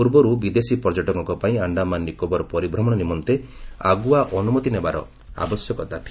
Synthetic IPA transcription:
uɾbɔɾubid̪esipɔd͡ʒɔʈɔɡɔŋkɔpaĩaɳɖamanːikɔbɔɾɔpɔɾibɾɔmɔɽɔnimɔnt̪eaɡuaʔɔnumɔt̪inebaɾɔ̰ | a̰bɔsjɔkɔt̪at̪ʰi

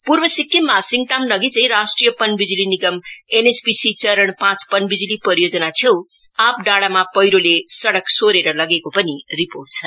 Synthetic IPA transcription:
puɾbʌsikːimmasiŋ̚t̪amnʌɡit͡sʌĩɾasʈrijʌpʌnbid͡ziliniɡʌmenespisit͡sʌɾəɳpãt͡spʌnbid͡zilipʌɾijod͡zʌnat͡sʰew̃ | ap̚ɖaɽamapʌjɾolesʌɽʌksoɾeɾʌlʌɡekopʌniriporʈ̚t͡sʰʌ

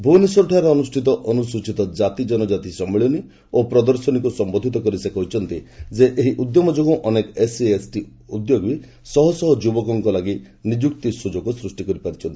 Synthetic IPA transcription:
bʱuniswɔɾɔʈʰaaɾeɔnusʈʰit̪ɔʔɔnusut͡ʃit̪ɔd͡ʒat̪id͡ʒɔnɔd͡ʒat̪isɔmeɭjɔni | opɾɔd̪ɔɾsɔnikusɔmbod̪ʱit̪ɔkɔɾisekɔɦut͡ʃʰɔnt̪id͡ʒeʔeɦiʔud̪jomɔd͡ʒoɡɔ̃ʔɔnekɔeseesʈi | ud̪joɡbi | sɔɦɔsɔɦɔd͡ʒubɔkɔŋkɔlaɡi | nid͡ʒukt̪isud͡ʒɔkɔsɾusʈikɔɾipaɾit͡ʃʰɔnt̪ii

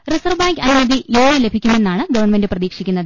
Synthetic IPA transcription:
risɐrʋbaːŋkɐnumɐd̪iʔeːɳile̞bʱikʲːume̞nːaːɳɨɡɐʋɐrɳme̞ndɨprɐðiːkʂikʲːunːɐðɨ

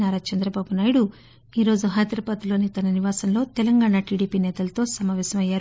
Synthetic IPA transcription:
naːɾaːt͡ʃɐnd̪ɾɐbaːbunaːjɽu | iːɾo̞ːd͡ʒuɦaːd̪ɾɐpɐt̪ilo̞ːnit̪ɐnɐniʋaːsɐmloːt̪ɛlɐŋɡaːɳaʈiːɽiːpiːnɛːt̪ɐlɐt̪o̞ːsɐmaːʋɛːsɐmɐjːaːɾ

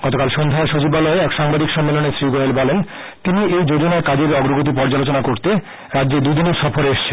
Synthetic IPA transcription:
ɡ̥ɔt̪okalʃond̪ʱaeɾʃot͡ɕibalɔeɛkʃaŋbad̪ikʃɔmːeloneʃɾiɡoelbɔlen | t̪iniʔejd͡ʑod͡ʑonaekad͡ʑeɾɔɡɾoɡot̪̬ip̬ɔɾd͡ʑalot͡ɕonakoɾt̪e | ɾad̪ːd͡ʑed̪ud̪ineɾʃɔfoɾeʃt͡ɕʰen

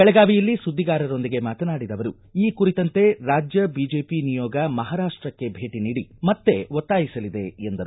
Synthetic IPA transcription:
kɛɭɛɡaːʋijɐlːisud̪ʱːiɡaːɾɐɾo̞nd̪iɡemaːt̪ɐnaːɽid̪ɐʋɐɾu | iːkuɾit̪ɐnt̪e̞ɾaːd͡ʒjɐbiːd͡ʒe̞ːpinijɔːɡɐmɐɦaːɾaːʂʈɾɐkːe̞bʱe̞ːʈiniːɽimɐt̪ːe̞ʋot̪ːaːjisɐlid̪e̞end̪ɐɾu

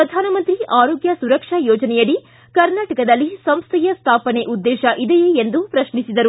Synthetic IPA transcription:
pɾɐd̪ʱaːnɐmɐnt̪ɾiʔaːɾoːɡjɐsuɾɐkʂajoːd͡ʒɐnɛjɐɽi | kɐɾnaːʈɐkɐd̪ɐlːisɐmst̪ʰɛjɐst̪ʰaːpɐneʔud̪ːɛːʃɐʔid̪ɛjeːnd̪upɾɐʃɳisid̪ɐɾu

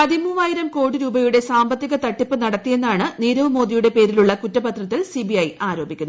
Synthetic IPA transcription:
pɐðimuːʋaːjiɾɐmko̞ːɽɨɾuːbɐjuɽe̞saːmbɐt̪ːiɣɐt̪ɐʈːipːɨnɐɽɐt̪ːije̞nːaːɳɨniːɾɐʋɐmo̞ːd̪ijuɽe̞pe̞ːɾiluɭːɐkutːɐbɐt̪rɐt̪ːilsibiɐjaːɾo̞ːbikʲːunː

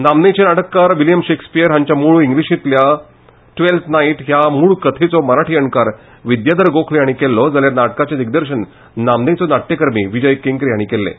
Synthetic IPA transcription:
namnet͡ɕenaʈəkːaɾʋiljəmɕekspijəɾɦãɲt͡ɕjamuɭuiŋɡliɕĩt̪lja | ʈʋelt̪ʰnaiʈɦjamuɭukət̪ʰet͡sɔməɾaʈʰiːəɳkaɾ | ʋid̪jad̪əɾɡokʰljaɽ̃iːkelːɔd͡zaljaɾnaʈkat͡ɕed̪iɡ̚d̪əɾɕən | namnet͡sɔnaʈ̪ːekəɾmiːʋid͡ʑəjkeŋkɾjaɽ̃ikelːḛ

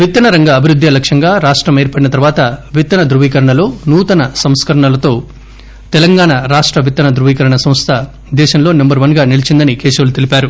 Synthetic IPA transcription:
ʋit̪ːɐnɐɾɐŋɡɐːbʱiɾud̪ʱːjɐlɐkʂɐŋɡaːɾaːʂʈɾɐmeːɾpɐɽinɐt̪ɐɾuʋaːt̪ɐʋit̪ːɐnɐd̪ɾuʋiːkɐɾɐɳɐlo̞ːnuːt̪ɐnɐsɐmskɐɾɐɳɐlɐt̪o̞ː | t̪ɛlɐŋɡaːɳɐɾaːʂʈɾɐʋit̪ːɐnɐd̪ɾuʋiːkɐɾɐɳɐsɐmst̪ʰɐ | d̪ɛːʃɐmlo̞ːnɐmbɐɾʋɐnɡaːnilit͡ʃind̪ɐnikeːsɐːlut̪ilipaːɾu

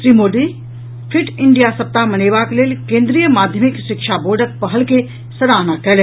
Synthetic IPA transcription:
sɾiːmoːɖi | pʰɪʈɪ̃ɳɖijasɐp̚t̪amɐneːʋakleːlkẽːnd̪ɾijəmaːd̪ʱjəmɪkʃɪkʃaboːɾɖək̚pɐɦəlke | sɐɾaːnakɛl

